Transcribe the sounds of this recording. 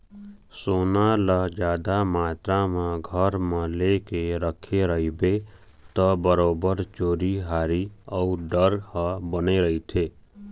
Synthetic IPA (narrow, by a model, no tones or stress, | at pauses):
soːnaləd͡ʒaːd̪amaːt̪ɾamãɡʱəɾmãlekeɾəkʰeɾəɦibe | t̪ɔbəɾoːbəɾt͡ʃoːɾiɦaːɾiəuɖəɾhəbəneɾəɦit̪ʰeː